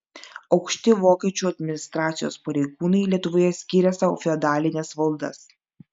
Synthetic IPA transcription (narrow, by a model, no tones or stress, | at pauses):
ɒʊkʃʲt̪ʲɪʋoːkʲiɛt͡ʃʲuːɐd̪ʲmʲɪnʲɪst̪ɾɑːt̪sʲɪjo̰ːspɐɾʲɛɪɡuːnɐɪlʲiɛt̪ʊʋoːjɛsʲkʲiːɾʲɛsɐo̰fʲɪɐd̪ɑːlʲɪnʲɛsʋɐlˠd̪ɐ̰s